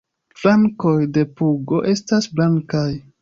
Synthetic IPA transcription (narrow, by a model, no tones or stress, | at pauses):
flaŋko̞jde̞puɡo̞ʔe̞stasblaŋkaj